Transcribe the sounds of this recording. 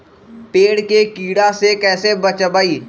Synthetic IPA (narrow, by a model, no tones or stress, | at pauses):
peːɽkekiːɽasekɛːsebət͡ʃəbaiː